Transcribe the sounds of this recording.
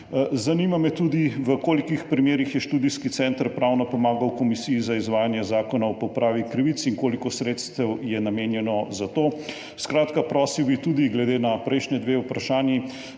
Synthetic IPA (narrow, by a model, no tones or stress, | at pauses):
zanimamɛt̪ud̪iʋəkoːlikixpɾimeːɾixjɛʃt̪uːd̪iskit̪sɛːnt̪əɾpɾaːwnapɔmaːɡawkɔmisiːzaizʋaːjanjɛzaːkɔnaɔpɔwpɾaːʋikɾiʋit̪siŋkoːlikɔsɾeːt̪st̪ɛwjɛnameːnjɛnɔzat̪oː | skɾaːt̪kapɾɔːsiwbit̪ud̪iɡlɛd̪eːnapɾɛjʃnɛd̪ʋeːupɾaʃaːnji